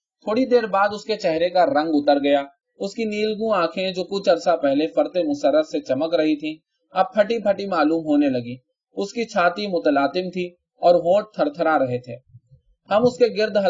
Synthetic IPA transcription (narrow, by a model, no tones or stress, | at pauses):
t̪ʰoːɽid̪eːɾbaːd̪ʊsket͡ʃɛɦɾekaɾɐ̃ŋɡʊt̪əɾɡɐja | ʊskiniːlɡũãːkʰẽd͡ʒoːkʊt͡ʃʰɐɾsapɛɦlefɐɾt̪emʊsəɾːəɾset͡ʃɐməkɾɐɦit̪ʰĩ | ɐb̚pʰɐʈipʰɐʈimaːluːmɦoːnelɐɡiː | ʊskit͡ʃʰaːt̪imʊt̪əlaːt̪ɪmt̪ʰi | ɔːɾɦõːʈ̚t̪ʰɐɾt̪ʰəɾaɾɐɦet̪ʰeː | hɐmʊskeɡɪɾd̪ɦɐ